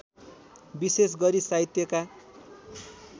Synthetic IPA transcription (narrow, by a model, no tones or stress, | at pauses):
bises̬ɡʌɾisait̪jʌka